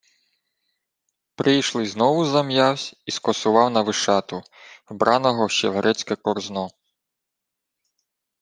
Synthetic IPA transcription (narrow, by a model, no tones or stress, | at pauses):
pɾʔɪjʃlˠɪznɔʋʊzɐmjɑwsʲiskɔsʊʋɑwnɐʋɪʃɑt̪ʊ | wbɾʔɑnɔɦɔʃt͡ʃɛ̰ʋeɾʔɛt͡sʲkɛkɔrznɔ